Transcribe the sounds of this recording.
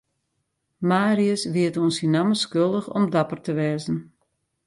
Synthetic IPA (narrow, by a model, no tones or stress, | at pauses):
maːɾiəsʋiətoːnsinaməskølˠdəxɔ̰mdapərtəʋɛːzn̩